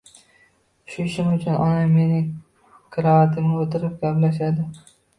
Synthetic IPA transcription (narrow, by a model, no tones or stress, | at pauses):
ʃʊɪʃɪmʊt͡ʃʰʊnʔɒ̰name̞nɪŋ | kʰɪɾɒat̪ʰɪmot̪ʰɪɾɪp̚ɡʲaplaʃad̪ɪ